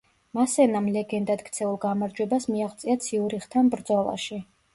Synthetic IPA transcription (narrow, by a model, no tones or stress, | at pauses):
masɛnamlɛɡɛnd̪at̪kʰt̪sʰɛulˠɡamaɾd͡ʒwɛbasmiaχt̪sʼiat̪sʰiuɾiχt̪ʰanbɾd̪zɔlˠa̰ʃi